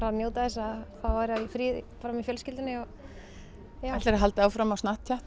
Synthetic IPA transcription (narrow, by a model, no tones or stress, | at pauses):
ɾanjowt̪aðɛs̬ːaθavaɾɪaifɾiːðɪpaːɾamɛfjœlscɪlt̪ɪnɪɔ | jaat̪ɛɾɦalt̪awfɾamawsnaht̪̚cʰaht̪